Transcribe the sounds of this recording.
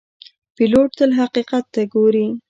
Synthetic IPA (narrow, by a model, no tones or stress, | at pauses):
piloʈ̚t̪əlɦaqiqat̪ːaɡoɾi